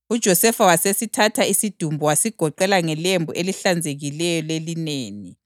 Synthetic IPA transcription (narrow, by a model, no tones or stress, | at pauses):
ud̥ʒ̥ʱɔsɛfawasesitʰatʰaisid̥ʱumbʱuwasiɡ̥ʱɔǃɛlaŋɛlembʱuʔeliɬand͡zʱeɣilɛjɔlelineːni